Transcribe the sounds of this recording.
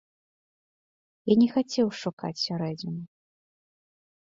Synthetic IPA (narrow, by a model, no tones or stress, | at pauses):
janʲɛxat͡sʲɛwʂuka̰t͡sʲsʲɔɾɛd͡zʲn